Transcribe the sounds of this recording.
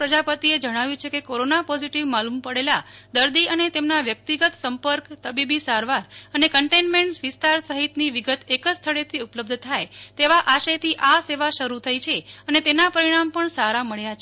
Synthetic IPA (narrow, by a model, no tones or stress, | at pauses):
ɾəd͡ʒapət̪ied͡ʒəɽ̃aʋjũt͡ʃʰekekoɾonapɔziʈiʋmalumpəɽelad̪əɾd̪iənet̪emnaʋjək̚t̪iɡət̪səmpəɾkt̪əbibisaɾʋaɾənekəɳʈenmẽɳʈʋɪst̪aɾsəɦit̪niʋiɡət̪ekəst̪ʰəɭet̪ʰiupləb̚d̪ʱt̪ʰajt̪eʋaʔaʃet̪ʰiʔaseʋaʃəɾut̪ʰəit͡ʃʰeənet̪enapəɾiɽ̃ampəɳsaɾaməɭja